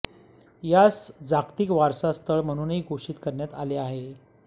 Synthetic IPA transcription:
jasd͡zakt̪iːkʋaɾsast̪ʰəɭm̤əɽ̃uːnɦiːɡʱoʂiːt̪kəɾɳjat̪aleaɦe

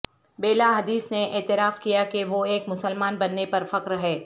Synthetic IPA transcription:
beːlaɦɐd̪iːsneʔeːt̪ɪɾaːfkijakeʋoeːkmʊsəlmaːnbɐnːepɐɾfɐkɾɦɛː

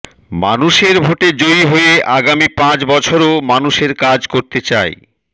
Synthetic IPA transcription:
ma̰nuʃeɾbʱoʈed͡ʑojɦojeʔaɡamipãt͡ɕbɔt͡ɕʰoɾomanuʃeɾkad͡ʑkoɾt̪et͡ɕae

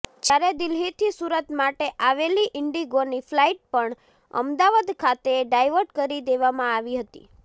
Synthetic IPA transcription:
d͡ʒaɾed̪ɪlɦit̪ʰisuɾət̪maʈeʔaʋeliʔɪɳɖiɡoniflaiʈ̚pəɳ | ə̰md̪aʋad̪kʰat̪eɖajʋəɾʈkəɾid̪eʋamãaʋiɦət̪ḭ

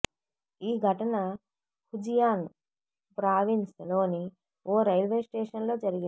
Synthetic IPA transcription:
iːɡʱɐʈɐnɐ | hud͡ʒijaːn | pɾaːʋinslo̞ːni | ʔoːɾɐjlʋeːsʈeːʂɐnlo̞ːd͡ʒɐɾiɡi

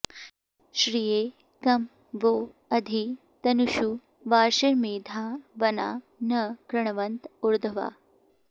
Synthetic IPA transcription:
ɕɾije | kɐm | ʋo | ɐd̪ʱi | t̪ɐnuɕu | ʋaːɾʃɐmiːd̪ʱaʋɐna̰ː | nɐkɾɐɳ̃ʋɐnt̪uɾd̪ʱəʋa̰ː

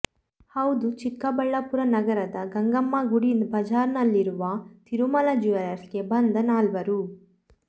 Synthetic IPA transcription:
hɐwd̪ut͡ʃikːɐbɐɭːɐpuɾɐnɐɡɐɾɐd̪ɐɡɐŋɡɐmːɐɡuɽibɐd͡ʒaːɾnɐlːiɾuʋɐt̪iɾumɐlɐd͡ʒiʋɐɾɐsɡebɐnd̪ɐnaːlʋɐɾu

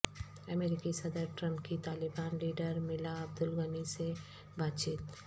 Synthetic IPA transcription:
ɐmeːɾɪkisɐd̪əɾʈɾɐ̃mpkit̪aːlɪbaːnliːɖəɾmɪlaɐb̚d̪ʊlɣənise | baːt̪t͡ʃiːt̪

